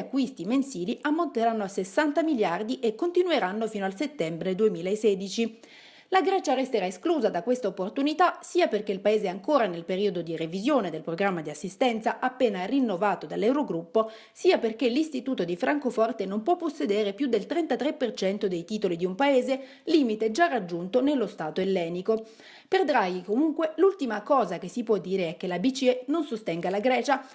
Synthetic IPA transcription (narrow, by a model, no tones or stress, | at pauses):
akːwist̪imensiːliʔamːont̪eɾanːoasːesːant̪amiljard̪iʔekːont̪inueɾanːofiːnoalset̪ːɛmbɾed̪uemiːlaesːeːd̪it͡ʃi | laɡɾɛt͡ʃarest̪eɾaeskluːzad̪akwest̪aopːort̪unit̪asiːaperk̟eilpaeːzeɛaŋkoːɾanelpeɾiːod̪od̪irevizjoːned̪elpɾoɡɾamːad̪iasːist̪ɛnt̪saʔapːeːnarinːovaːt̪od̪alːɛwɾoɡɾupːo | siːaperkelist̪it̪uːt̪od̪ifɾaŋkofɔrt̪enompwɔpːosːed̪eːɾepjud̪ːelt̪ɾɛnt̪at̪ɾepːert͡ʃɛnt̪od̪ejt̪iːt̪olid̪iumpaeːze | liːmit̪ed͡ʒarːad͡ʒːunt̪onelːost̪aːt̪oelːɛːniko | perd̪ɾajikomuŋkwelult̪imakɔːzak̟esːipwɔd̪ːiːɾeɛk̟ːelabit͡ʃiɛnonsost̪ɛŋɡalaɡɾɛːt͡ʃa